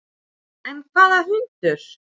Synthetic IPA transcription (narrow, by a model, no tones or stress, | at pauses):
ɛnkʰvaːðaɦʏnt̪ʏɾ̥